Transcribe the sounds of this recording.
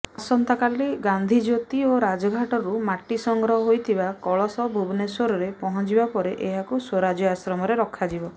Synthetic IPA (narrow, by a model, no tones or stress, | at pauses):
asɔnt̪akaliɡand̪ʱid͡ʒot̪ioɾad͡ʒɔɡʱaʈɔɾumaʈisɔŋɡɾɔɦɔɦojt̪ʰibakɔɭɔsɔbʱubneswoɾɔɾepɔɦɔ̃t͡ʃibapɔɾeʔeɦakuswoɾad͡ʒjɔasɾɔmɔɾeɾɔkʰːad͡ʒibɔ